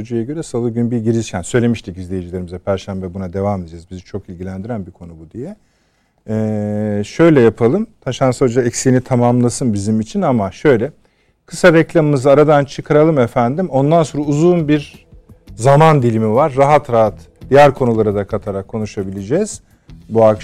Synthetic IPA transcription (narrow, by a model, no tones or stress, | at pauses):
od͡ʒujaɟø̞ɾɛsalˠɯɟynbiɟiɾizcʰænsø̞jlʲe̞miʃt̪ʰikizlʲejed͡ʒilʲeɾimizɛpʰæɾʃæmbɛbunad̪e̞vamed̪id͡ʒɛzbizit͡ʃʰo̞kilʲɟilʲænd̪iɾænbikʰo̞nubud̪ijɛ | ɛːʃø̞jlʲɛjapʰalˠɯmt̪ʰaʃansaod͡ʒaɛcsinit̪ʰamamlˠasɯnbizimit͡ʃʰinamaʃø̞jlʲɛ | kʰɯsaɾɛclʲamɯmɯzːɾad̪ant͡ʃʰɯkʰaɾalˠɯmefænd̪imo̞nd̪ansoɾauzunbiɾ | zamand̪ilʲimivaɾːaɦat̪ɾaɦat̪ | d̪ijæɾkʰo̞nulˠaɾɯd̪akʰat̪ʰaɾakʰːo̞nuʃabilʲed͡ʒɛz̥ | buak